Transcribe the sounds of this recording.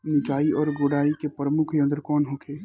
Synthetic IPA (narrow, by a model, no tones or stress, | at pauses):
nɪd͡ʒaːiɔːɾɡoːɽaːikepɾəmʊkʰjə̃nd̪ɾkɔːnɦokʰeː